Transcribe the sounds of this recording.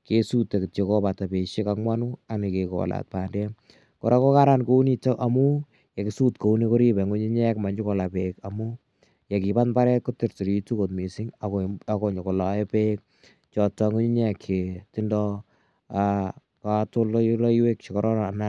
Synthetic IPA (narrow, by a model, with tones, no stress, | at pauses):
ke˦su˦te˨kt͡ʃekɔ˦pata˨pe˨ʃe˦kakmwa˦nu˦a˨nikeko̰˨la̰˨t̚pa˨ndɛ˦ | ko˨ɾʔa˦ko˦kaɾanko˦u˦ni˦to˦ʔamu˦ | ja˨kisu˦tko˨u˦ni˦ko˦ɾi˦bɛ˨ŋo˦ɲi˦ɲɛ˦kma˨ɲd͡ʒɪ˦kɔ˨la˨pekamu˦ | ja˨ki˨pa˦nba˦ɾɛ˦t̚ko˦ti˨rti˨ɾitu˦ko˨t̚mi˨si˦ŋaako˨ɲo˨ko˨la˨ɛ˦pe˦k̚ | t͡ʃɔ˨tɔ˨ŋo˦ɲi˦ɲɛ˦˨ke˨tindɔ | a | ka˨to˦llɔ˦iwe˦kʃɪkɔɾɔ˦n˨na